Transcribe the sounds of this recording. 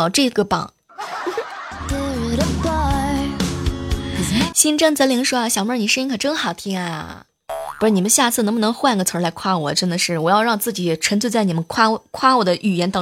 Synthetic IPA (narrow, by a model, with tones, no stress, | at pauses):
ʈ͡ʂɤ˥˩ɡə˩pɑ̰˨˩˦ŋ | t̪e˥˩˨ɾə˧˩t̪a˥˧ | ɕi˥nʈ͡ʂɤ˥˩ŋt͡sə˧˥li˧˥ŋʂwɔ˥a˧˩ɕjɑ˨˩ŋmə˥˩ni˨˩ʂə˥ni˥ŋkʰə˨˩ʈ͡ʂɤ˥ŋxɑ˨˩ʊt̪ʰi˥ŋa̰˧˩ | pu˧˥ʈ͡ʂni˨˩mə˦nɕja˥˧t͡sʰɹ̩˥˩ɤ˧˥bnɤ˧˥ŋxwa˥˧n˥ɡə˩t͡sʰə˧˥la˧˥ɪkʰwa˥˩wɔ˨˩ʈ͡ʂə˥nd̪ə˨ʂɻ̩˥˩wɔ˨˩jɑ˥˧ʊɻɑ˥˧ŋt͡sɹ̩˥˩t͡ɕi˨˩ʈ͡ʂʰə˧˥nt͡sʰwe˥˧ɪt͡sa˥˩ɪni˨˩mə˦nkʰwa˥˧˩kʰwa˥wɔ˨˩d̪ə˦ʔy˨˩jɛ˧˥nt̪ɑ˥